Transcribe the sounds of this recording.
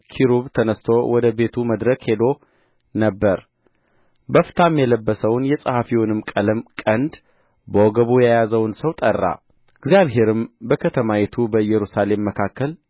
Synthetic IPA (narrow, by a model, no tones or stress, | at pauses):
kʰiɾuβt̪ʰənəst̪ʰo̞wʔɔd̪əbe̞t̪ʰuməd̪ɾəkhe̞d̪o̞ | nəbːəɾ | bəft̪ʰamjɛləbːəsəwnjɛsʼəhafiwɔnɨmkʼələmkʼənd̪ | bəɔɡəβujajazəwnsəwt̪ʼərːa̰ | ɨɡzjaβɦe̞ɾɨmbəkʰət̪ʰəmawɛt̪ʰubəɨjːɛɾusale̞mːəkʰakːəl